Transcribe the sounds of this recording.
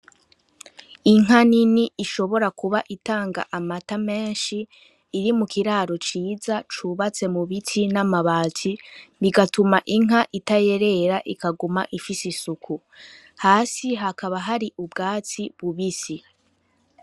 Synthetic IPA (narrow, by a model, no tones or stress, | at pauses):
iŋ̥ɦaniniʔːʃo̞βo̞ɾakuβaʔitaːŋɡa̰ʔamatame̞ːnʃiː | ɾimukʰiɾaːɾo̞t͡ʃiːzat͡ʃuβat͡se̞muβitʰinamaβaːt͡sʰiβiɡatumaʔiŋ̥ɦaʔitaje̞ɾe̞ɾaʔikaɡuma̰ʔifisisukʰu | haːsiɦakaβaɦaɾiʔubɡaːt͡siβuβisi